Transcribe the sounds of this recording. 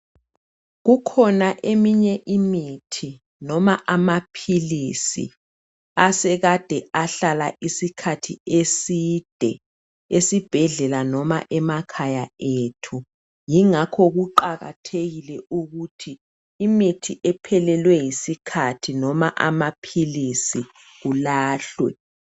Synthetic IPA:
ɣukʰɔnaʔemiɲɛʔimitʰi | nɔmaʔamapʰilisḭ | asɛɣad̥ʱɛaɬala̰ʔisikʰatʰiesid̥ʱɛ̰ | esib̥ʱɛɮɛlanɔma̰ʔɛmakʰajaeːtʰu | jiŋakʰɔɣuǃaɣa̰tʰeɣilɛuɣutʰiː | mitʰiʔɛpʰɛlɛlwɛjisikʰatʰinɔma̰ʔa̰mapʰilisi | ɣulaːɬwɛ̰

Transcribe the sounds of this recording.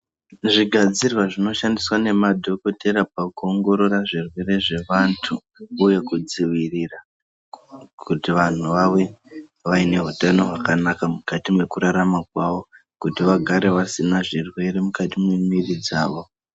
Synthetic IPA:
ʐiɡʱad͡zirwaʐino̞ʃandiswane̞madʱo̞ko̞tʰe̞ɾapakuoŋɡo̞ɾo̞ɾaʐirwe̞re̞ʐe̞ʋantʰu | uje̞kud͡ziʋirira | kʰutiʋan̤uʋaʋe̞ | ʋaine̞ɦutano̞ɦakanakamukatimwe̞kuɾaɾamakwaʋo̞ | kutiʋaɡʱaɾe̞ʋasinaʐirwe̞ɾe̞mukatimwemirid͡zaːʋo̞

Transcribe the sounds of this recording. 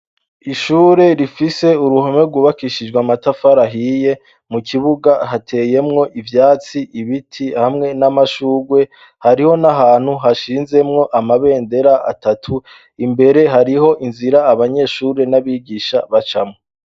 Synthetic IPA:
iʃuːɾe̞ɾifise̞uɾuhomeɡuβakiʃid͡ʒɡwamatafaɾaɦije̞ | mukʰiβuɡaɦatʰe̞je̞mŋo̞ʔivjaːt͡siʔiβitʰihamŋe̞namaʃuːɡwe̞ | haɾiho̞naɦaːn̥huɦaʃiːnze̞mŋo̞ʔamaβe̞ːnde̞ɾaʔa̰tatʰu | imbe̞ɾe̞ɦaɾiɦo̞ʔinziɾaːβaɲe̞ːʃuːɾe̞naβiɡiʃaβat͡ʃamŋo

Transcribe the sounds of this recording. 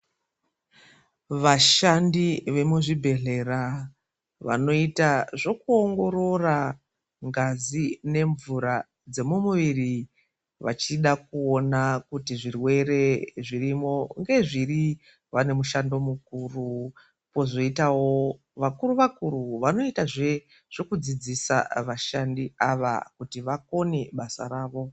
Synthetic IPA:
ʋaʃandiʋe̞muʐibʱe̞ɮe̞ra | ʋa̰no̞itaʐo̞kuoŋɡo̞ɾo̞ra | ŋɡazine̞ɱvuɾa | d͡ze̞mumuʋiri | ʋa̰t͡ʃiɗak̚uo̞nakutiʐirwe̞ɾe̞ʐirimo̞ŋɡe̞ʐiɾi | ʋane̞muʃando̞mukuru | po̞zo̞itawo̞ | ʋakuruʋakuɾuʋano̞itaʐe | ʐ̥o̞kud͡zid͡zisa̰ʋaʃandiaʋa̰kutiʋako̞neɓasa̰ɾaːʋo̞

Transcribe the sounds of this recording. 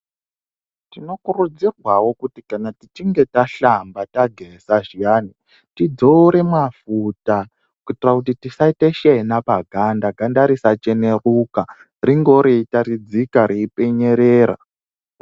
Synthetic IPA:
tino̞kurud͡zirwawo̞kutikanatit͡ʃiŋɡe̞taɬambataɡʱesaʒijaːni | tid͡zoɾe̞mwafuta | kutirakutitisaiteʃenapaɡʱandaɡʱandaɾisat͡ʃene̞ruka | riŋɡo̞ɾiitaɾid͡zikaɾiipe̞ɲeɾeːra̰

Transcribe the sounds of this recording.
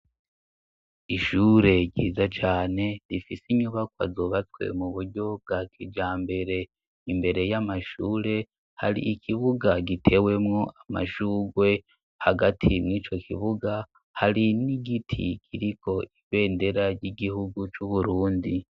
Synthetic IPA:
iʃuːɾe̞ɟḭːzat͡ʃaːne̞ɾifisiɲuβak̚wa̰zoːβat͡swe̞̰muβuɾɟo̞b̚ɡaːkʰid͡ʒaːmbe̞ɾe̞ | imbe̞ɾe̞jamaʃuːɾe̞ | ha̰ɾḭʔikʰiβuɡaɡitʰe̞we̞mŋo̞ʔama̰ʃuːɡwe̞ | haɡatʰimŋiːt͡ʃo̞kʰḭβuɡa | haɾiniɡitʰḭkʰiɾikʰo̞ʔiβe̞ːnde̞ɾaɾɟiɡihuɡut͡ʃuβuɾuːndi

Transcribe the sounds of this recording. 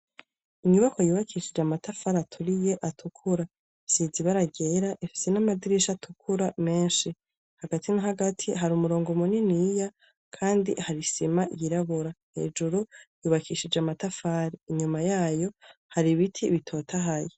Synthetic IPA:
iɲuβako̞juːβakʰiʃid͡ʒamatafaɾatʰuɾijeʔatʰukʰuɾa | siːziβaɾaɡeɾaʔefi̥se̞namadiɾiʃatʰukʰuɾame̞ːnʃi | haɡatʰinaɦaɡatʰiɦaɾumuɾo̞ːŋɡomuninija | kʰaːndḭhaɾisimajiɾaβuɾahe̞̰ːd͡ʒuɾujuːβakʰiʃid͡ʒamatafaːɾiːɲumajaːjo̞haɾiβitʰiβitʰo̞tʰaɦaji

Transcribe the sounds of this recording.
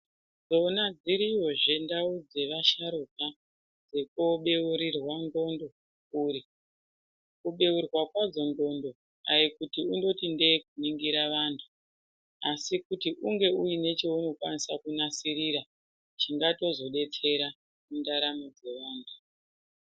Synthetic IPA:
d͡zo̞nad͡ziɾijo̞ʐe̞ndaud͡ze̞ʋaʃaɾuka | d͡ze̞koɓe̞uɾirwando̞ndo̞ | uɾi | kuɓe̞urwakwad͡zo̞ndo̞ndo̞ | ajikutiundo̞tinde̞kuniŋɡiɾaʋantʰu̥ | asikutiʔuŋɡe̞ujine̞t͡ʃe̞uno̞kwanisakunasiɾiɾa | t͡ʃiŋɡato̞zo̞ɗe̞t͡se̞ɾa | mundaɾamod͡ze̞ʋaːntʰu̥

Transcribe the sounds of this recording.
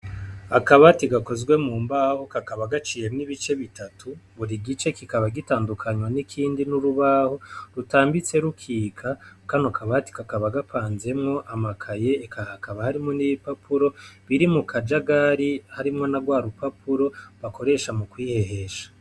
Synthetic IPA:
akaβatiɡako̞zɡwe̞muːmbahokakaβaɡat͡ʃije̞mniβit͡ʃe̞βitatʰuβuɾiɡit͡ʃe̞kikaβaɡitaːndukʰaɲwanikʰiːndinuɾuβahoɾutaːmbit͡se̞ɾukʰiːkʰakanokʰaβati̥kakaβaɡapʰaːnze̞mŋo̞ʔamakʰaje̞ːkahakaβahaɾimoniβipapʰuɾo̞βiɾimukʰad͡ʒaɡaɾihaɾimŋo̞naɡwaːɾupapuɾo̞βako̞ɾe̞ʃamukwiːhe̞he̞ʃḁ

